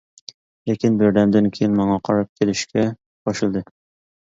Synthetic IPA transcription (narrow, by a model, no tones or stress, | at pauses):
lekʲɪnbɪɾd̪ɛmd̪ɪnkʲʰejinmɑɴɑqʰɑɾɑp̚kʲʰelɪʃkʲʰɛ | bʰɑʃɨlˠd̪ɨ